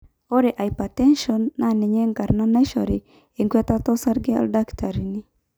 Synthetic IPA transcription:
o˦ɾe˨ʔa˨i˨pa˨tɛ˦nʃɔ˨nːa˨ne˨ɲe˦ŋɡa˨ɾna˦na˦i˦ʃɔ̰˨ɾi˨ | e˨ŋɡwa˦ta˦tɔ˦sa˦ɾɡe˦a̰lda˦kta˨ɾi˨ni˦

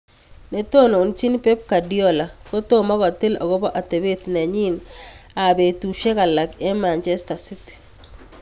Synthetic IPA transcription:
ne˨t̪o˦no˨nt͡ʃi˦npe˦p̚ka˨di˦ɔ˦la˨ | ko˦t̪o˦mɔ˦ɡɔ˨t̪ɪ˦lo̰˨ɡo˦bɔ˦ʔa˨t̪e˨be˦t̪nɛ˨ɲi˦n | a˨be˨tu˨ʃe˦ka˨la˨kɛ˦ma˨nt͡ʃɛ˦sta˨si˦te̥˨

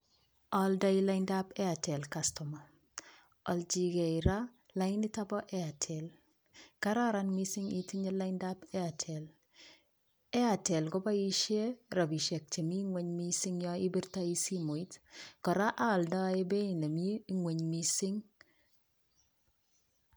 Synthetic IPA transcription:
ɔ˨lda˦i˦la˦ɪnda˦pɛ˦a˨tɛ˨lkastɔ˨ma˨ | ɔ˨ld͡ʒi˨ɡɛ˨ɪ˨ɾa˦ | la˦ɪ˦ni˦ta˦bɔ˦ʔɛ˦a˨tʰɛ˨l | ka˦ɾa˦ɾanmi˦si˦ŋḭ˨ti˦ɲɛ˦la˦ɪnda˦pɛ˦a˨tʰɛ˨l | ɛ˦a˨tɛ˨lkɔ˦ba˦i˦ʃje˦ɾa˨bi˨ʃe˨k̚t͡ʃe˨mi˦ŋwe˦ɲmi˦si˦ŋjɔ˦i˦bi˦ɾta˦i˦si˦mo˨i˦tkɔ˨ɾa˦ʔa˦ɔ˨ldɔ˦e˦be˦i˨ne˨mi˦i˦ŋwe˨ɲmisɪ˦ŋ

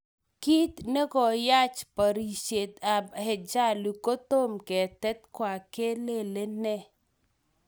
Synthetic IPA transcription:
ki˦t̪ne˦ɡɔ˨ja˦t͡ʃpa˨ɾi˨ʃe˨t̪a˨bhɛ˨d͡ʒa˦lu˨ko˦t̪o˦mkɛ˨t̪ɛ˦t̪̚kwa˨ke˦le˦le˦nɛ˦˨

